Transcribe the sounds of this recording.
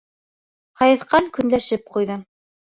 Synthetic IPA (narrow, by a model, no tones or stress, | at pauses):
χɑjɤ̆θqɑŋkɵ̆nlæʃɘp̚qujðɤ